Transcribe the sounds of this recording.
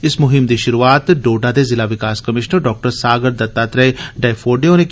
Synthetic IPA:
ɪsmʊɦɪmd̪iʃʊɾuaːt̪ɖoːɖad̪ezɪlaʋɪkaːskəmɪʃnəɾɖɔːk̚ʈəɾsaːɡəɾd̪ɐt̪ːaːt̪ɾɛɖaːfʰoːɖeonẽk

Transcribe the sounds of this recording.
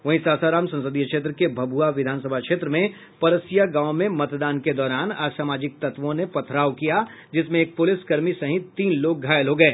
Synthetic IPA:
ʋɐɦĩsaːsaɾaːmsɐ̃nsəd̪ijəkʃeːt̪̬ɾəkebʱɐbuaʋɪd̪ʱaːnsəbʱakʃeːt̪ɾəmẽ | pɐɾəsijaɡãːʊ̃mẽmɐt̪d̪aːnked̪ɔːɾaːnaːsaːmaːd͡ʒɪk̚t̪ɐt̪ʋõnepɐt̪ʰɾaːwkija | d͡ʒɪsmẽeːk̚pʊlɪskɐɾmisɐɦɪ̃t̪ːiːnloːɡ̚ɡʱaːjəlɦoːɡɐeː

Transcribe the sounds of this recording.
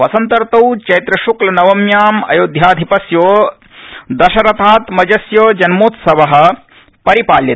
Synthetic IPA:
ʋɐsɐnt̪ɐɾt̪ɐwt͡ʃɐjt̪ɾɐʃuklɐnɐʋɐmjaːmɐ̰joːd̪ʱjaːd̪ʱipɐsjoː | d̪ɐʃɐɾɐt̪ʰaːt̪mɐd͡ʒɐsjoːd͡ʒɐnmoːt̪sɐʋɐɦɐ̆ | pɐɾipaːljɐt̪

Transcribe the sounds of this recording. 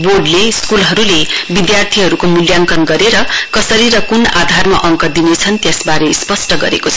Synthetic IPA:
borɖleskulɦʌɾulebid̪jart̪ʰiɦʌɾukomuljaŋkʌnɡʌɾeɾʌkʌsʌɾiɾʌkunad̪ʱarma̰ʔʌŋkʌd̪inet͡sʰʌnt̪jʌsbaɾespʌsʈʌɡʌ̰ɾḛkot͡sʰʌ̥

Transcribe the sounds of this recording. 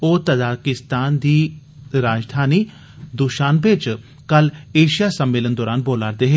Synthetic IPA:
oːt̪əzaːɾkɪst̪aːnd̪iː | ɾaːd͡ʒd̪ʱaːniː | d̪uʃaːnbɪt͡ʃ | kəleːʃijaːsəmːeːlənd̪ɔːɾaːnboːlaːɾd̪eːɦeː

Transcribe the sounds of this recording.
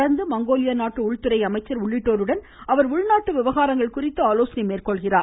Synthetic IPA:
ɽɐɾnd̪ɯmɐŋɡoːlɪjɐnaːʈːɯʊɻt̪ɯɾɐɪɐmɐɪt͡ʃːɐɾʊɭːɪʈːoːɾɯɽɐn | ɐʋɐɾʊɻnaːʈːɯʋɪʋɐɣaːɾɐŋɡɐɭkʊrɪt̪ːɯaːloːsɐnɐɪmeːrkɔɭɣɪraː

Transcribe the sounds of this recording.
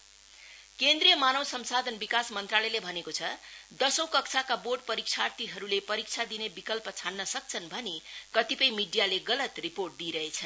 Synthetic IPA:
kend̪rijʌmanʌwsʌmsad̪ʱʌnbikasmʌnt̪ralʌjlebʱʌnekot͡sʰʌd̪ʌsʌ̃w̃kʌkt͡sʰakaborɖpʌɾik̚t͡sʰart̪iɦʌɾulepʌɾik̚t͡sʰad̪inebikʌlpʌt͡sʰanːʌsʌk̚t͡sʰʌnbʱʌnekʌt̪ipʌjmiɖijaleɡʌlʌt̪riporʈ̚d̪iɾʌɦet͡sʰʌ

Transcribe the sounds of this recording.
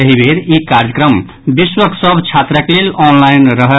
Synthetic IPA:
əɦibʱeɾikaɾd͡ʒəkɾəm | biswəksəbʱt͡ʃʰat̪ɾəklelɔnlajnɾʌɦə

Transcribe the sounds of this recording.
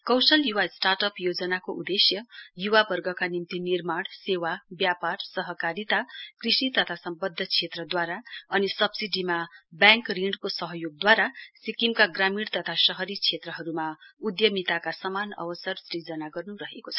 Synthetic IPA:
kʌwsʌljuwasʈarʈʌpjod͡zʌnakoʔud̪esjʌjuwabʌrɡʌkanimt̪inirmaɽsewabjaparsʌɦʌkaɾit̪akrisit̪ʌt̪ʰasʌmbʌd̪ʱːʌt͡sʰet̪rʌd̪waɾaʌnisʌbsiɖimabjãŋkriɳɖkosʌɦʌjoɡ̚d̪waɾasikimkaɡramiɽt̪ʌt̪ʰasʌɦʌɾit͡sʰet̪rʌɦʌɾumaud̪jʌmit̪akasʌmanʌ̰bʌsʌrsrid͡zʌnaɡʌrnuɾʌɦekot͡sʰʌ̥

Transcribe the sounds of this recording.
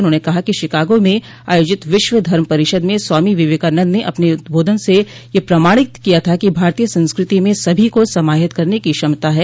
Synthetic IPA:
ʊnɦõːnekɐɦakiʃɪkaːɡõmẽ | aːjoːd͡ʒɪt̪ʋɪʃʋəd̪ʱɐɾməpɐɾɪʃəd̪mẽswaːmiʋɪʋeːkəːɾnə̃d̪neʔɐpneʊt̪̚bʱoːd̪ʱənse | jepɾɐmaːɽ̃ɪt̪kijat̪ʰakibʱaːɾt̪ijəsɐ̃nskɾɪt̪imẽsɐbʱikosɐmaːɦɪt̪kɐɾnekiʃɐmt̪aɦɛː

